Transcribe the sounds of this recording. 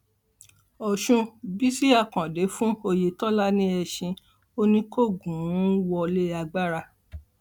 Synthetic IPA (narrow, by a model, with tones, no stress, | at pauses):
ɔ˨ʃũ˧bi˦si˦a˧kã˨de˨˦fũ˦o˧je˧tɔ˦la˦nĩ˦ɛ˧ʃĩ˧ | o˦nĩ˧ko˦˨ɡũ˨˦wɔ˧le˦a˧ɡ͡ba˦ɾa˧